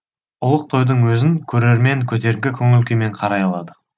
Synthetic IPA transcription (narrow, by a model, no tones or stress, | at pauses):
ʊlˠəq̚t̪ʰo̞jd̪əɴwɵzɪŋkʲʰɵɾe̞ɾme̞ŋkʲʰɵt̪e̞ɾɪŋɡʲɪkʲʰɵŋʏlkʲeme̞ɴqʰɑɾɑjɑlˠɑd̪ə